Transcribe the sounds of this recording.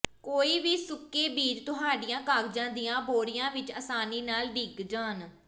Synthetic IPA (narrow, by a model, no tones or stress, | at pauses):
koːiːʋiːsʊkːeːbiːɾt̪ʊɦaːɖɪjãːkaːkd͡ʒãːnd̪ɪjãːboːɽɪjãːʋɪt͡ʃəːsaːniːnaːlɖiːkd͡ʒaːn